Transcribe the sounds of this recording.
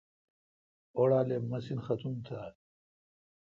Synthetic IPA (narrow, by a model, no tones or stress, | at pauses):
oɽaːlemɐsinxɐt̪umt̪ʰaː